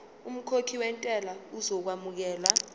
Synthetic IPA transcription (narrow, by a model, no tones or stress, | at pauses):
um̩kʰokʰiwɛntʼɛlauzɔk̬wamuk̬ɛːla